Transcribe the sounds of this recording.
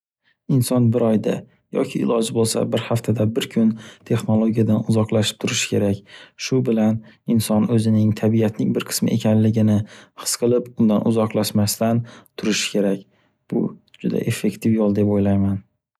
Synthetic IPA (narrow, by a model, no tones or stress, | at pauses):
ɪnsɒnbɪɾɒjd̪a̰ | jɒ̰kʲʰɪ̰ːlɒd͡ʒɪbolˠsa̰bɪɾhaft̪ʰad̪abɪɾkʰʊnt̪ʰe̞χno̞lˠoɡʲijad̪anʊzɒqlˠaʃɪ̥p̚t̪ʰʊɾɪʃɪ̥kʲʰe̞ɾakʲʃʊbɪlanɪnsɒnɵzɪnɪŋt̪ʰabijat̪nɪŋbɪɾqʰɨ̥smɪ̰ʔe̞kʲʰanlɪɡʲɪnɪhɨ̥sqʰɨlˠɪpʊnd̪anʔʊzɒqlˠaʃmast̪ant̪ʰʊɾɪʃɪ̥kʲʰe̞ɾakʲ | b̥ʊ̰d͡ʒʊd̪a̰ʔe̞fːe̞kt̪ʰɪfjolˠd̪e̞pojlajman